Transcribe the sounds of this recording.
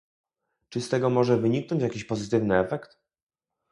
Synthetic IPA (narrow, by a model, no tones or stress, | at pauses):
t͡ʂɘst̪ɛɡɔmɔʐɛvɘɲiknɔ̃ɲt͡ɕjakʲiɕpɔzɘt̪ɘvnɘɛfɛkt̪